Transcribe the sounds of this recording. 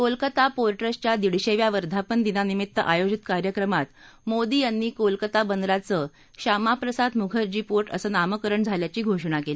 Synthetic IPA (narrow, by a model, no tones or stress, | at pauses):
kolkət̪apoɾʈɾəst͡ɕjad̪iɽɕeʋjaʋəɾd̪ʱapənd̪inanimit̪ːəʔajod͡ʑit̪kaɾjəkɾəmat̪ | mod̪iːjanːiːkolkət̪abənd̪ɾat͡səː | ɕamapɾəsad̪muɡʱəɾd͡ʑiːpoɾʈə̰səːnaməkəɾəɳd͡zʱaljat͡ɕiːɡʱoʂɳ̃akeli